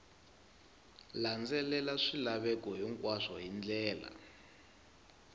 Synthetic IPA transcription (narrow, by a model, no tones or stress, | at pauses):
land͡zɛlɛlaʂilaβɛkɔɦɔŋkʼwaʂɔɦind͡ɮɛːla̰